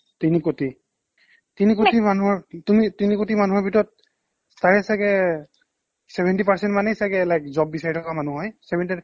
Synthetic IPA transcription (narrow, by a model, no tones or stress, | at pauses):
tinikoti | tinikotimanuɦɔɹtumitinikotimanuɦɔɹbʱitɔɹɔt̚ | staɹɛsakɛ | sɛbʱɛntipaɹsɛntmanɛsakɛlajkzɔbbisaɹitʰɔkamanuɦɔjsɛbʱɛnti